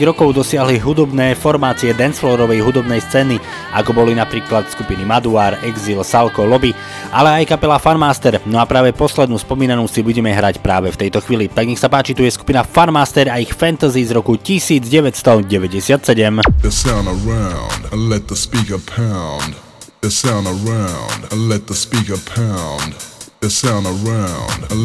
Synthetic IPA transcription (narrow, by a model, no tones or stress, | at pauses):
iɣɾɔkɔʊd̪ɔsɪaɦliɦud̪ɔbnɛːfɔɾmaːt͡siɛd̪ɛnsflɔːɾɔʋɛjɦud̪ɔbnɛjst͡sɛːni | akɔbɔlinapɾiːklat̪skupinimad̪uaːɾɛɡzilsalkɔlɔbi | alɛajkapɛlafanmaːst̪ɛɾnɔapɾaːʋɛpɔslɛd̪nuːspɔmiːnanuːsibuɟɛmɛɦɾacpɾaːʋɛft̪ɛjt̪ɔxʋiːlit̪aɡɲɛxsapaːt͡ʃit̪ujɛsku̥pinafanmaːst̪ɛɾaixfɛnt̪azizɾɔkucisiːd͡zɟɛʋɛtst̪ɔɟɛʋɛɟɛsɪat̪sɛɟɛməsãʊ̃ndəɹãʊ̃ndə̃nlɛt̪̚ðəspikə˞pʰãʊ̃nd | əsãʊ̃ndəɹãʊ̃ndə̃nlɛt̪̚ðəspikəpʰãʊʊ̃ndəsãʊ̃ndəɹãʊ̃nd̃n